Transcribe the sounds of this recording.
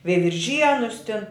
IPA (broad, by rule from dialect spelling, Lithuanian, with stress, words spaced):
ʋʲɛɪʋʲɪrʲˈʒʲiɛnʊs tʲɪn